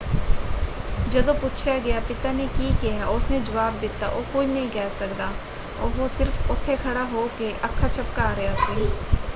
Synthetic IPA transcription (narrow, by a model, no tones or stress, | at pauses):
d͡ʒɐd̪õpʊt͡ʃʰjaɡɐjapɪt̪anekikijaʊsned͡ʒɐʋaːbd̪ɪt̪a̰ʔoːkoːinɐɦĩkɛːsɐkd̪aː | o̰ːʋosɪɾfʊt̪ʰːekʰɐɽaɦoːkeʔɐkʰːat͡ʃʰɐp̚kaːɾɐjaseː